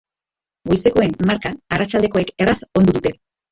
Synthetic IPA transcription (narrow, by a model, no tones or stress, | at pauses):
ɡojse̞ko̞e̞nmaɾkaarat͡ʃald̪e̞ko̞e̞ke̞raso̞nd̪uðut̪e̞